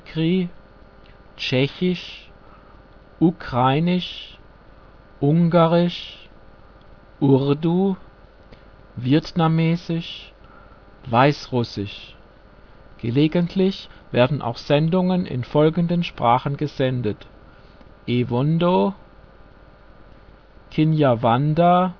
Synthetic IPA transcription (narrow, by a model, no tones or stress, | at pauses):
kʁiː | t͡ʃɛçɪʃ | ʔukʁ̥aɪnɪʃ | ʔʊŋɡaʁɪʃ | ʔʊʁdu | viətnamɛːzɪʃ | vaɪsʁʊsɪʃ | ɡ̥əleːɡəntʰlɪçv̥eːɐdn̩ʔa̰ʊxz̥ɛndʊŋənɪ̰nfɔlɡn̩dənʃpʁ̥aːχən̩ɡəzɛndət | ʔevɔndo | kʰɪnjavanda